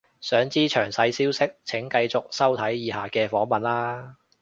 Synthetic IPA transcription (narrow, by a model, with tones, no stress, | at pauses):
sœː˨˥ŋt͡siː˥t͡ʃʰœ̰ː˨˩ŋsɐ˧jsiː˥wsɪ˥k̚t͡sʰɪ˨˥ŋkɐ˧jt͡sʊ˨k̚sɐ˥wt̪ʰɐ˨˥jjiː˨˧haː˨˩kɛː˧fɔː˨˥ŋmɐ˨nlaː˥